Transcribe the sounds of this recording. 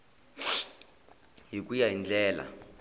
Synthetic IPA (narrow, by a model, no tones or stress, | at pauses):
ɦik̬ʼujaɦind͡ɮʱɛːla̰